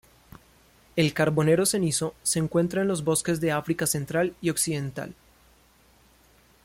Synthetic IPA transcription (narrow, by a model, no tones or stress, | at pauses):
e̞lkaɾbo̞ne̞ɾo̞se̞niso̞se̞ːŋkwe̞nt̪ɾaenlo̞zbo̞ske̞zd̪e̞afɾikase̞nt̪ɾalio̞ksiðe̞nt̪a̰l